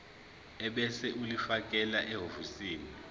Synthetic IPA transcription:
ɛɓɛsɛʔulifakʼɛlaʔɛɦofusiːni

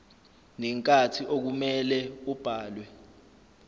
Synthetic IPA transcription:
nɛŋkʼatʰiʔok̬umɛlɛub̥ʱaːlwɛ

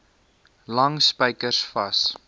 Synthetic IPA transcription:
lɐŋspəjkərsfɐs

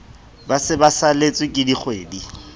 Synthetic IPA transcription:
basɪbasalet͡sʼwɪkʼɪdiχweːdi

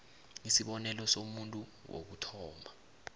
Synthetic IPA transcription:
ŋisiɓɔnɛlɔsomuntʼuwo̰k̬utʰɔːma

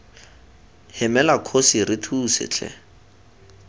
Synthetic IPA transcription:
hɪmɛlakʰosirɪtʰuːsɪ̰t͡ɬʰɛ̰

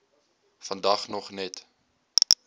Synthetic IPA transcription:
fɐndɐχnɔχnɛt

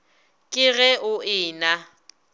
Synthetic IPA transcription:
kʼɪɣɛʊʔɪːna

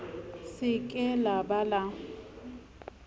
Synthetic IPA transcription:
sɪkʼɛlabala

